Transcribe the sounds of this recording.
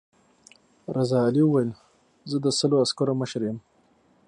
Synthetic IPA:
ɾazɑːliəwajəl | zəd̪əsəloaskoɾoməʃɾjəm

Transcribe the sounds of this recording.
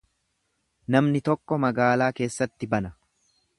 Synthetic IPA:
nɐmnɪt̪ɔkːɔmɐɡaːlaːke̞ːsːɐt̪ːɪbɐnɐ

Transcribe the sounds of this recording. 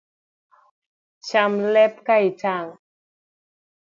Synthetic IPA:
t͡ʃamlɛp̚kaitaŋ

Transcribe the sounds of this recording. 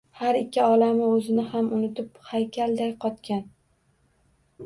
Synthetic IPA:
haɾɪkʲːɪɒlamɪɵzɪnɪhamʊnɪt̪ɪphajkʲʰald̪ajqʰɒt̪kʲan

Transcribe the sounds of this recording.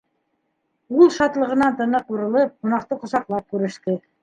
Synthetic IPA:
ulˠʃɑt̪lˠɤ̆ʁɤ̆nɑnt̪ɤ̆nɤquɾɤ̆lˠɤp̚qŏnɑqt̪ɤqŏsɑqlˠɑp̚kʉɾɘ̆ʃt̪ɘ

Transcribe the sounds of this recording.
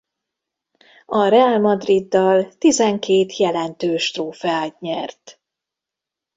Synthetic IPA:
ɒɾɛaːlmɒd̪rid̪ːɒlt̪izɛŋkeːt̪ʰjɛlɛnt̪øːʃt̪roːfaːt̪ɲɛrt̪

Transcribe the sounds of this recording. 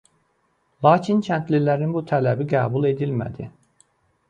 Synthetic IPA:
lˠɑːcʰincʰænt̪lilæɾinbut̪ʰælæbiɡæːbulˠe̞d̪ilmæ̰d̪i

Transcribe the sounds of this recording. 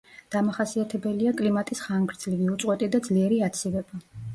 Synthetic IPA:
d̪̥amaχasiat̪ʰɛbɛliakʼlimat̪ʼisχaŋɡɾd̪zliɡiut̪sʼwɛt̪ʼid̪ad̪zliɛɾiat̪sʰivɛba

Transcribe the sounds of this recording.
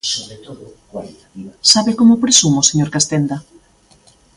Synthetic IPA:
oβet̪oðkwaliaisaβekomopɾesumoseɲoɾkast̪end̪ɐ

